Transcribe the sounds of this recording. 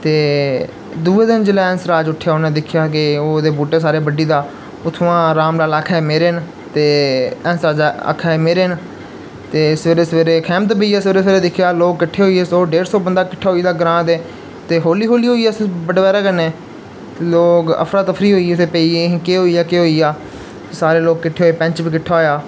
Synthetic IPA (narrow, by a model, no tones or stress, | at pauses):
t̪eː | d̪uːeːd̪ɪnd͡ʒɪlɛːɛ̃ːnsɾaːd͡ʒʊʈʰːjaːoːnẽːd̪ɪkʰjaːkɪoːd̪eːbuːʈeːs̬aːɾeːbəɖiːd̪aː | ʊt̪ʰʋãːɾaːmlaːlaːkʰameːɾeːn | t̪eːɛːnsɾaːd͡ʒaa̰ːkʰːɛmeːɾeːn | t̪eːsʋeːɾeːsʋeːɾeːkʰɛːmt̪bəiːaːsʋeːɾeːsʋeːɾeːd̪ɪkʰjaːloːkkɪʈʰːeːɦoːiːeːsoːɖeːɾsɔːbənd̪aːkɪʈʰːaːɦoːiːd̪aːɡəɾãːd̪eː | t̪eːɦoːliːɦoːliːɦoːiːaːsbəɖʋɛːɾaːkənẽː | t̪eloːkə̰pʰɾaːt̪əpʰɾiːɦoːiːseːpəiːẽkeːɦoːiːaːkeːɦoːiːaː | saːɾeːloːɡ̚kɪʈʰːeːɦoːeːpɛ̃ɲt͡ʃbiːkɪʈʰːaːɦojaː